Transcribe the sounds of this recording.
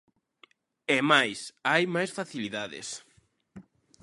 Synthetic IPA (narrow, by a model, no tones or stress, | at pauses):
ɛmajsajmajsfaθiliðaðɪ̰s